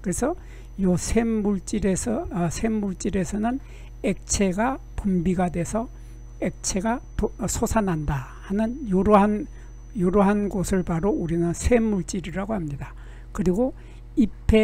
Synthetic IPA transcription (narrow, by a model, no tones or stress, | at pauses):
kɯɾesʰʌ | josʰemːuɭt͡ɕ͈iɾesʰʌsʰe̞mːuɭt͡ɕ͈iɾe̞sʰʌnɯn | ek̚t͡ɕʰe̞ɡa | pumbiɡadwe̞sʰʌ | ek̚t͡ɕʰe̞ɡa | sʰosʰanɦanda | hanɯnjoɾan | joɾoɦanɡosʰɯɭpaɾouɾinɯnsʰe̞mːuɭt͡ɕ͈iɾiɾaɡohamɲida | kɯɾiɡo | ipʰe̞